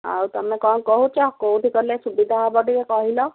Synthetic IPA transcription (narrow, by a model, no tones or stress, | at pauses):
a̰wt̪ɔmekɔnkɔɦut͡ʃɔkouʈikɔɾilesubid̪ʱaɦabɔɖikekɔɦilɔ